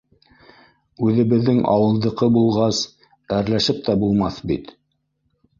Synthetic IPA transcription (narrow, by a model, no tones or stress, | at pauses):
ʉðɘ̆βɘ̆ðːɘŋʔɑ̰wɤ̆lˠd̪ɤ̆qɤbulˠʁɑs | æɾlæʃɘp̚t̪æbulˠmɑθbḭt̪